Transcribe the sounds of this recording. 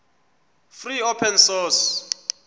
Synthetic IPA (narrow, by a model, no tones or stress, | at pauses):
friopʰɛnsɔs